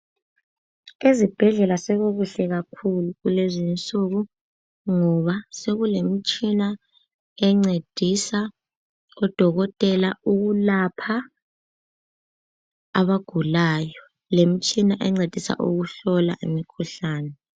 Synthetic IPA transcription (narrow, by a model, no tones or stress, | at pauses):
ezib̥ʱɛɮɛlasɛɣoɣuɬɛɣakʰuluɣulezint͡sʼuɣu | ŋɔβaseɣulem̩t͡ʃʼina | ɛŋ͡ǀed̥ʱisa | ɔd̥ʱɔɣɔtʼɛlauɣulapʰa | aβaɡ̥ʱulaːjɔ | lem̩t͡ʃʼinaʔɛŋ͡ǀed̥ʱisa̰ʔuɣuɬɔla̰ʔimikʰuɬaːnɛ